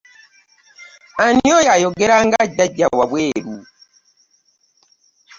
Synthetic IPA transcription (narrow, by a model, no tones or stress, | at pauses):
aniojajoɡeɾaŋɡaɟaɟawaβweːɾu